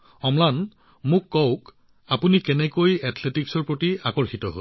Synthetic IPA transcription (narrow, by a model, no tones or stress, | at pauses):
ɔmlan | mʊkːɔwk | apunikɛnɛkojatʰletiksɔɹpɹotiakɔɹxitɔɦo̰l